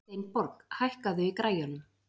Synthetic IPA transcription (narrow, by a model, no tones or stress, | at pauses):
t̪ejnpɔɾkhajhkaðʏikɾaːjanʏm